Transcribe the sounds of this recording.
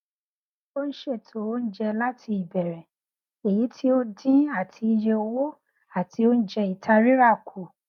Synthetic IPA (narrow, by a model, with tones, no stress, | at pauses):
o˦n̩˦ʃe˦˨tʰo˨˦o˦n̩˦d͡ʒɛ˧la˦tʰi˧i˦˨bɛ˨ɾɛ̃˨ | e˨ji˨˦tʰi˦o˦dĩ˦a˦˨tʰi˧i˧d͡ʒɛ˧o˧wo˦ | a˦˨ti˧o˦n̩˦d͡ʒɛ˧i˨tʰa˧ɾi˦ɾa˦˨kʰu˨